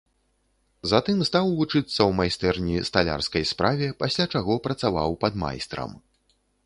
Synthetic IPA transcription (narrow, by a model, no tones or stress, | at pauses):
zat̪ɨmst̪awvut͡ʂɨt̪sːɐwmajst̪ɛrnʲist̪alʲa̰rskɐjspɾavʲɛpasʲlʲat͡ʂaɣɔpɾɐt̪sava̰wpɐd̪ma̰jst̪ɾɐ̰m